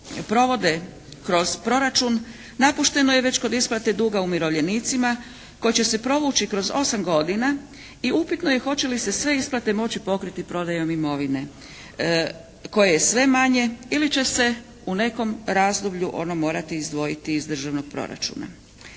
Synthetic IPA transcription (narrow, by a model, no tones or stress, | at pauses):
pɾo̞ʋo̞d̪e̞ | kɾo̞z̥pɾo̞ɾat͡ʃun | napuʃt̪e̞no̞jeʋe̞t͡ɕko̞d̪isplˠat̪e̞d̪uɡaumiɾo̞ʋʎe̞niːt̪sima | ko̞jet͡ɕe̞se̞pɾo̞ʋut͡ɕikɾo̞zo̞samɡo̞d̪ina | iupit̪no̞je̞xo̞t͡ɕe̞lise̞sʋe̞isplˠat̪e̞mo̞t͡ɕipo̞kɾit̪ipɾo̞d̪ajo̞mimo̞ʋine̞ | ko̞jejesʋe̞maɲe̞ilit͡ɕe̞se̞ | une̞ko̞mɾaːzd̪obʎuʔo̞̰nomo̞ːɾat̪iːzd̪ʋo̞jit̪iːzd̪r̩ʒaʋno̞ɡ̥̚pɾo̞̰ɾa̰t͡ʃṵna̰